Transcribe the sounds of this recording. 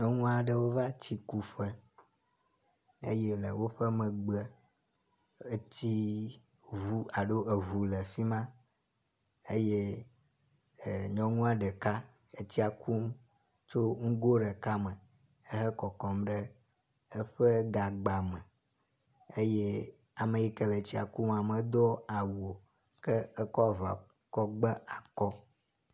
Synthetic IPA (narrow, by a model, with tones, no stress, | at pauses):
ɲɔ̃˦ŋũ˦a˨ɖe˨wo˦va˦t͡ɕi˦ku˦ɸɛ˦ | ḛ˦je˦le˨wo˦ɸɛ˦mɛ̃˨ɡ͡bɛ˦ | e˦t͡ɕ̪i˦ | vu˦a˨ɖo˦ʔe˨vu˨lɛ˨fi˦mã˦ | e˦je˦˨ | ɲɔ̃˦ŋũ˦a˨ɖɛ˨ka˦ | e˦t͡ɕ̪i˦a˨ku˦m | t͡ʃo˦ŋũ˦ɡo˦ɖɛ˨ka˦mɛ˨ | e˦ɦɛ˦kɔ˨kɔ˨mɖɛ˦ | e˦ɸe˦ɡa˨ɡ͡ba˨mɛ˨ | e˦je˦ | a˨me˨ji˦kɛ˦le˨t͡ɕi˦a̰˨ku˦ma˨me˨d̪ɔ˦a˨wo˨ | kɛ˦e˦kɔ˦a˨va̰˨ | kɔ˦ɡ͡bɛ˦a˨kɔ˦